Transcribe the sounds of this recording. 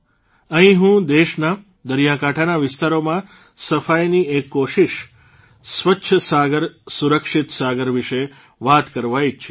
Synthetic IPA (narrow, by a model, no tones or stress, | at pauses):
ə̃ɦĩɦũd̪eʃna | d̪əɾjakaʈʰanaʋɪst̪aɾomã | səfajniekːoʃiʃ | sʋətːʃʰəsaɡəɾsuɾəkʃit̪saɡəɾʋɪʃe | ʋat̪kəɾʋajt͡ʃʰe